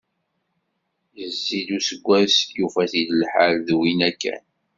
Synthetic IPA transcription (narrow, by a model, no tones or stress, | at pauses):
jəzːiðusəɡʷːæsjufæθiðəlħalðwinækːæ̰n